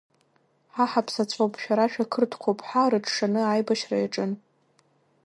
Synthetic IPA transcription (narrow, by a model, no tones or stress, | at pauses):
ħaħapʰsat͡sʷʰʼowpʰʼʃᶣaɾaʃᶣakʰɨrtʰkʷʰowpʼħarɨʈ͡ʂʰʂanɨajbaʃrajaʈ͡ʂʼɨn